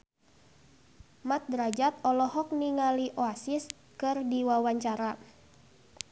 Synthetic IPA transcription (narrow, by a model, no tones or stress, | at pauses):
mat̪̚dɾad͡ʒat̪ɔlɔɦɔk̚niŋaliʔoasis | kɨrdiwawaɲt͡ʃaɾa